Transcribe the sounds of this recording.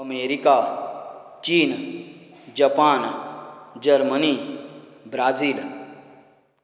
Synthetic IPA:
əmeːɾikaː | t͡ʃiːn | d͡ʒapaːn | d͡ʒəɾməni | bɾaːziːl

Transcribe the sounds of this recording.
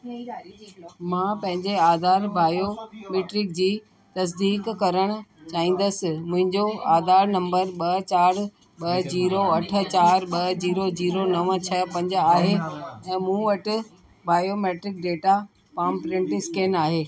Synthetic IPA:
mãːpɐ̃ɦɪ̃ɲd͡ʑeaːd̪ʱaːɾbaːjomeːʈɾɪk̚d͡ʑiː | t̪ɐs̬d̪iːkkɐɾəɽ̃ʊ̆t͡ɕaːĩːn̆d̪əsɪ̆mʊ̃ɦɪ̃ɲd͡ʑoaːd̪ʱaːɾnɐ̃mbəɾɓɐt͡ɕaːɾ | ɓɐd͡ʑiːɾoɐʈʰə̆t͡ɕaːɾɓɐd͡ʑiːɾod͡ʑiːɾonɐʋət͡ɕʰɐpɐ̃ɲd͡ʑaːɦeɛ̃ːmũːʋɐʈɪ̆ | baːjomeːʈɾɪk̚ɖeːʈa | paːmpɾɪ̃ɳʈɪskeːnaːɦeː

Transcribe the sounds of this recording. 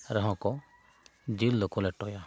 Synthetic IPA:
ɾɔɦɔ̃kɔ | d͡ʒilːokɔleʈɔja

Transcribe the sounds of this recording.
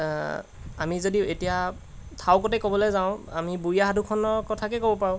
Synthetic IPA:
amizodietija | tʰawkɔtɛkɔbɔlɔjzaʊ̃a̰mibuijaɦadʱukʰɔnɔɹkɔtʰakɛkobɔpaɹʊ̃

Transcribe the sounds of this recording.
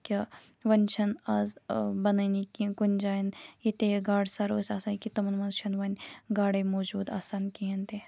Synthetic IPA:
kʲi | ʋɐnʲt͡ʃʰɐnɐzbɐnɐnikikunʲd͡ʒaːjinjit̪eɡaːɽsɐɾo̰ːsʲaːsaːnkit̪ɐmɐnʋɐnt͡ʃʰɐnʋɐnʲɡaːɽemoːd͡ʒuːd̪a̰ːsaːnkiɦɐnt̪e

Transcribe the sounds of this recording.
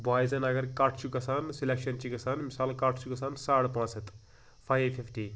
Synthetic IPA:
baːzɐnɐɡɐɾkaʈʰt͡ʃʰukɐsaːnsilʲekʃɐnt͡ʃikɐsaːnmisaːlkaʈʰt͡ʃʰukɐsaːnsaːɽpãːt͡sɐt̪ | fʰajefʰifʈi

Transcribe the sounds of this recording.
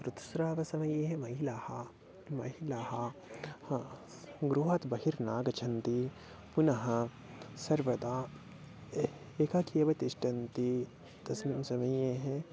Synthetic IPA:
pɾɐt̪sɾaːʋɐsɐmɐjeɦɛ̃mɐɦilaːha | mɐɦilaːɦah | ɡɾuɦɐt̪bɐɦiɾnaːɡɐt͡ʃʰɐnt̪i | punɐɦɐ | sɐɾʋɐd̪aː | eːkakijɐbɐt̪iʃʈɐnt̪i | t̪ɐsmimsɐmɐjeɦɛ̃

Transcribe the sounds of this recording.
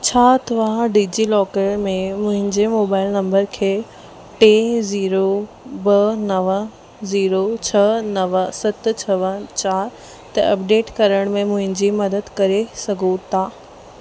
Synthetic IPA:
t͡ɕʰaːt̪ʰɐʋaɖiːd͡ʑilɔːkəʈmẽmʊ̃ɦɪ̃ɲd͡ʑemoːbaːɪlnɐ̃mbəɾkʰeː | ʈeːziːɾo | bɐnɐʋə | ziːɾot͡ɕʰɐnɐʋəsɐt̪̆t͡ɕʰɐʋənt͡ɕaːɾ | t̪ɐɐp̚ɖeːʈkɐɾəɽ̃mẽmʊ̃ɦɪ̃ɲd͡ʑimɐd̪əd̪kɐɾesɐɡʱot̪ʰaː

